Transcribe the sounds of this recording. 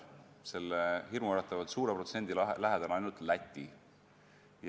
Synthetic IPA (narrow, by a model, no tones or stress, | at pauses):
se̞lːehirmuɑɾɑt̪ːˑɑvɑd̪̥suːɾepɾo̞t̪se̞nʲd̪illæɦed̪̥ɑnɑjnult̪læt̪ʲːˑi | j